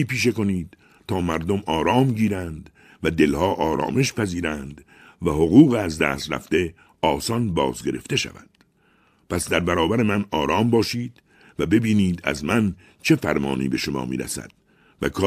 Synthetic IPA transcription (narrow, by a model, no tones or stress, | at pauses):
iːpiːʃe̞ko̞niːd̪̥ | t̪ʰɒːmæɾd̪omɒːɾɒːmɟiːɾænd̪ | væd̪e̞lhɒːʔɒːɾɒ̰ːme̞ʃpæziːɾænd̪ | væho̞ɣuːɣeæzd̪æ̰ːst̪ɾæ̰ft̪e̞ | ɒːsɒnbɒːzɡe̞ɾe̞̰ft̪e̞ʃæ̰væ̰d̪̥ | pʰæsd̪æɾbæɾɒːbæɾe̞mænɒːɾɒːmbɒːʃiːd̪̥ | væbe̞biːniːd̪æ̰zmæn | t͡ʃʰe̞fæɾmɒ̰ːnḭːbe̞ʃo̞mɒ̰ːmḭːɾæ̰sæ̰d̪̥̚ | væ̰kʰː